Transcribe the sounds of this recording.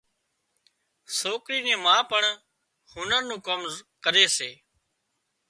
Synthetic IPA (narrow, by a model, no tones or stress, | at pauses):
soːkɽiːnẽːmãːpəɳ | hʊnənnũːkomzkəɾeːseː